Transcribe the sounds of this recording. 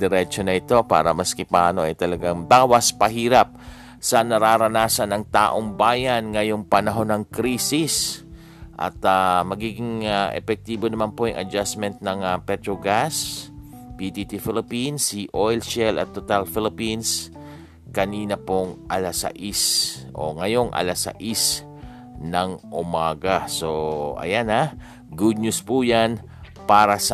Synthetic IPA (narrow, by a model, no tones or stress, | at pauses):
d̪ɛɾɛt͡ʃo̞nɐʔɪt̪o̞pa̰ːɾɐmɐskɪpa̰ːno̞ʔɐ̰jt̪ɐlɐɡaŋd̪aːwɐspɐɦiːɾɐp̚ | sɐnɐɾaːɾɐnaːsɐnɐŋt̪a̰ːʔoŋbaːjanŋɐjo̞ŋpɐnɐɦo̞nɐŋkɾiːsis | ʔɐ̰t̪amɐɡiːɡɪŋʔɛ̰pɛk̚t̪iːbo̞nɐmanpo̞jʊŋʔɐ̰d͡ʒasmɛnt̪̚nɐŋɐpɛt̪ɾoɡas | pit̪it̪ifɪlɪpinsiʔojlʃɛlʔɐ̰t̪ːot̪alfɪlɪpins | kɐniːnɐpoŋʔɐlasɐ̰ʔisʔo̞̰ŋɐjo̞ŋʔɐ̰lasɐ̰ʔis | nɐŋʔʊmaːɡasoʔɐ̰jana | ɡud̪̚ɲuspujan | paːɾɐs